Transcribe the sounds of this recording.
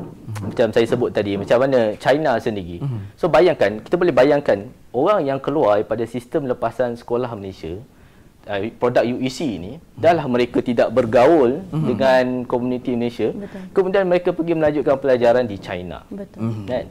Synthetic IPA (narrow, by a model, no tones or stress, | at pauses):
mat͡ʃamsajasəbʊt̪̚ːadimat͡ʃamanãt͡ʃajnasəndiɣisobajaŋkanki̥t̪abolɛhbajaŋkanoɾaŋjaŋkəluarpadasist̪əmləpasansə̥kolahməlesia̰ | pɾodak̚juisiːnidalahmə̃ɾekat̪idaʔbərɡaʊldəŋankomunĩt̪iməlesiabəkəmũdianməɾekapəɡiməlãɲd͡ʒukanpəlad͡ʒaɾandit͡ʃa̰jna̰bət̪an